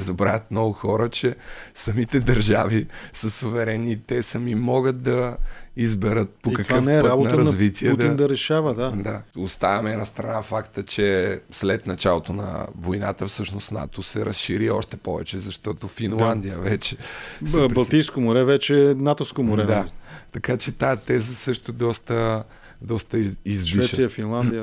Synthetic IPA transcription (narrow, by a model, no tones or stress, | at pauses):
zɐbɾavʲət̪nnɔɡʊxɔɾət͡ʃɛsɐmit̪ɛd̪ɐɾʒavisəsovɛɾɛnit̪ɛsɐmimɔɡət̪̚d̪ɐizbɛɾət̪̚poikɐkənfɛɛɾabotnɐəɾɐnɐzvit̪ʰiɛd̪ind̪ɐɾɛʃavəd̪ad̪aost̪avɐmɛnɐst̪ɾɐnafakt̪ət͡ʃɛslɛt̪nɐt͡ʃalˠot̪onɐ̰vojnat̪əfsɤʃnosna̰t̪osɛɾɐsʃiɾiɔʃt̪ɛpɔvɛ̰t͡ʃɛzɐʃt̪ɔt̪ofinlˠand̪ijəvɛt͡ʃɛ̥sɛpɾbɐlˠt̪ijskomʊɾɛvɛt͡ʃɛnat̪oskomʊɾɛmd̪at̪ɐkat͡ʃɛt̪ajt̪ɛzəsɤʃt̪od̪ɔst̪ə | d̪ɔst̪əizliɛɛtʃsijəfinlˠand̪ijə